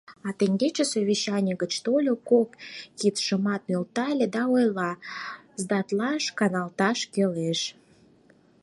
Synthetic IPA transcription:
ɑt̪eŋɡet͡ɕesoβʲiɕːɑnʲəɡət͡ɕt̪olʲokokkit̪ʃəmɑt̪̚nølt̪ɑjlʲed̪ɑojlɑ | zd̪ɑt̪lɑʃkɑnɑlt̪ɑʃkeleʃ

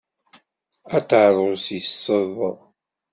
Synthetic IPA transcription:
æt̪ʕɾˤʊsisˤːəðˤ

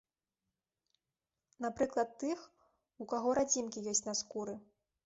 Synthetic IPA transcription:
napɾɨklˠɐt̪ːɨx | ukaɣɔɾad͡zʲimkʲijɔsʲt͡sʲnaskuɾɨ

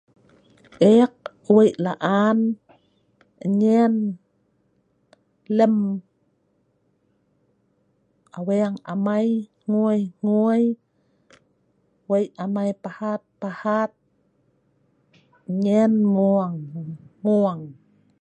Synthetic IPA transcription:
ʔek̚ | wejʔlaʔan | ɲen | lem | ʔaweaŋa̰majŋuəjŋuj | wejamajpahat̪̚pahat̪̚ | ɲenmuaŋmuaŋ

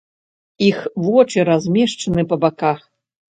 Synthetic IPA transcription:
ixvɔt͡ʂɨɾazʲmʲɛʂt͡ʂɐnɨpɐbakax

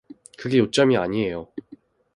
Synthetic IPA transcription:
kɯɡe̞jot͡ɕ͈ʌmiaɲie̞jo

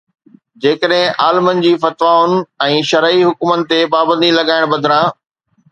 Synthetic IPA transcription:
d͡ʑeːkəɗɦɪ̃ʔaːlɪmənɪ̆d͡ʑiːfɐt̪ʋaːʊnɪ̆ɛ̃ːʃɐɾiɦʊkʊmənɪ̆t̪epaːbə̃nd̪ilɐɡaːɪɽ̃bɐd̪ʱɪɾãː

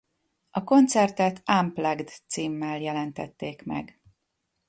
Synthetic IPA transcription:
ʔɒko̞nt̪sɛrt̪ɛt̪ʰamplɛɡd̪t̪siːmːɛljɛlɛnt̪ɛt̪ːeːkmɛ̰ɡ

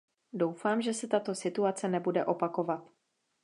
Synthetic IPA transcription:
do̞wfaːmʒɛsɛt̪at̪o̞sɪt̪uat͡sɛnɛbudɛʔo̞pako̞vat̪

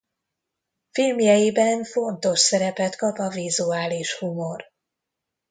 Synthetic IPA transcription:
filmjɛjibɛɱfo̞nt̪o̞ʃsɛɾɛpɛt̪kɒpɒvizuaːliʃhumo̞r

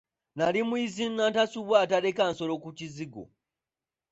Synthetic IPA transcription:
nalimwizinːantasuβwatalekanso̞lokuciziɡo̰

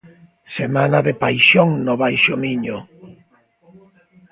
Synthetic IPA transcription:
semanaðepajʃoŋnʊβajʃomiɲʊ

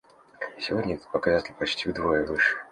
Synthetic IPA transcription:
sʲɪvo̞dʲnʲəpəkazatʲɪlʲpɐt͡ɕtʲivd̪vo̞jəvɨʂɨ̥

